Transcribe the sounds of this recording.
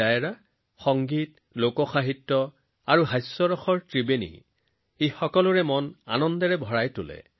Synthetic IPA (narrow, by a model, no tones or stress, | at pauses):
ajɹa | xɔŋɡit | lokɔxaɦitːɔ | aɹuɦajsːɔɹɔxɔɹtɹibenḭ | exɔkɔlʊɹɛmɔna̰nɔndɛɹɛbʱɔɹajtʊ̰lɛ̰